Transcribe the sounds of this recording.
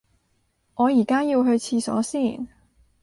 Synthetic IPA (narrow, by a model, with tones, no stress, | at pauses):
ŋɔː˨˧jiː˨˩kaː˥jiː˧wɦɵ˧ɥt͡sʰiː˧sɔ̰ː˨˥siː˥˩n